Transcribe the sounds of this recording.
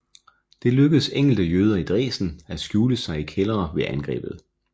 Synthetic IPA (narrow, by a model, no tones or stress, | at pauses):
d̥e̝løɡ̥əð̩ˠseŋ̰l̩d̥əjøːð̞ˠɐid̥ʁɛ̰ːsn̩æsɡ̥juːləsɑ̈ɪikʰelɐːʋe̝ʔænɡ̥ʁɛ̰ːb̥ð̞̩ˠ